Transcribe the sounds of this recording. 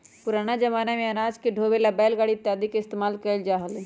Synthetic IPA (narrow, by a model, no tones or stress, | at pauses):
pʊɾaːnad͡ʒɐmaːnamẽɐnaːd͡ʒkeɖʱoːbelabɛːlɡaːɽit̪ːjaːd̪ikeɪst̪eːmaːlkəld͡ʒaːɦəl